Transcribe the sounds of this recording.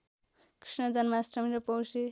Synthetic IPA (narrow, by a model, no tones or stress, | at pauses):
kri̥snʌd͡zʌnmasɾʌmiɾʌpʌwsi